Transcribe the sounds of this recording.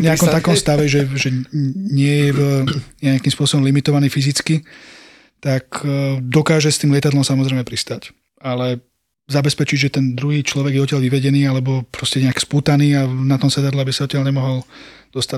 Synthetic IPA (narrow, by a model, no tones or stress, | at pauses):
ɲɛakɔmt̪akɔmst̪aʋɛʒɛʒɛɲɪɛjɛvɲɛakimspʊɔsɔbɔmlimit̪ɔʋaniːfizit͡ski | t̪akd̪ɔkaːʒɛst̪iːmlɪɛt̪ad̪lɔmsamɔzɾɛɪmɛpɾist̪ac | alɛ | zabɛspɛt͡ʃiɟʒɛt̪ɛnd̪ɾuɦiːt͡ʃlɔʋɛɡjɛɔt̪̬ɪalʋiʋɛɟɛniːalɛbɔpɾɔscɛɲɛakspuːt̪aniːanat̪ɔmsɛt̪ad̪lɛabisaɔt̪ɪalɲɛmɔɦɔl | d̪̥ɔst̪a